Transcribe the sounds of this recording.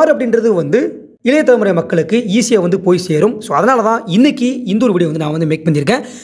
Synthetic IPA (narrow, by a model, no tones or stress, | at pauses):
aːɾɐpːɐɽɪnrɐðɯʋɐnd̪ɯ | ɪlɐjɐt̪ːɐɾɐmɯɾɐjmɐkːɐɭɯkːɯiːsɪjaʋɐnd̪ɯpoːjseːɾɯmsoːɐðɐnaːlɐðãːɪnːɪkːiɪnd̪uːɾʋɪɽɪjʋɐnd̪ɯnãːʋɐnd̪ɯmeːk̚pɐɳːɪɾɯkːẽː